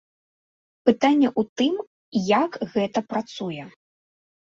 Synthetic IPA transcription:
pɨt̪anʲːɛʔut̪ɨm | jakɣɛt̪ɐpɾat̪sujɛ

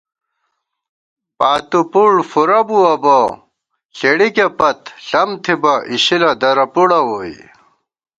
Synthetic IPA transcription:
paːt̪upuɭfuɾɐbuɐbo | ɬeɽikepɐt̪ɬɐmt̪ʰibɐʔiɕilɐd̪ɐɾɐpuɽɐwoːḭ

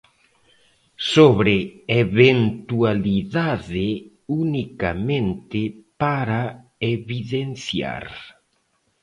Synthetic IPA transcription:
soβɾeeβent̪ualiðaðɪ | unikamẽnt̪ɪpaɾa | eβiðenθja̰ɾ

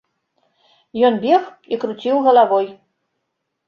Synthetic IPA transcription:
jɔnbʲɛx | ikɾut͡sʲiwɣɐlˠavɔj

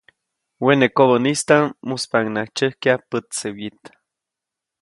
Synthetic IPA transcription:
wenekoβənist̪amuspaŋnaht͡ʃəhkiapət̪sewit̪

